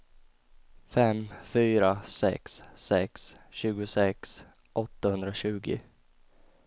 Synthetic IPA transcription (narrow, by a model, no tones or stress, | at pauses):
fɛmfyːɾasɛ̰ksːɛks | ɕʉ̟ːɡʊsɛks | ʔɔt̪ːahɵnd̪ɾaɕʉ̟ːɡɪ̰